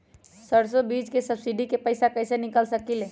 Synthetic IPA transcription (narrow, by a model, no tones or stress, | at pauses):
səɽsobid͡ʒkesəbsiɖikepəjsakəjsenikəlsəkile